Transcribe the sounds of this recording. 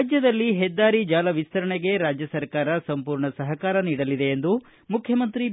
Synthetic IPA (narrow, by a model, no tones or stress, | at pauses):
d͡ʒjɐd̪ɐlːiɦɛd̪ːaːɾid͡ʒaːlɐʋist̪ʰɐɾɐɳeɡe̞ɾaːd͡ʒjɐsɐɾkaːɾɐsɐmpuːɾɳɐsɐɦɐkaːɾɐniːɽɐlid̪e̞ːnd̪u | mukʰjɐmɐnt̪ɾi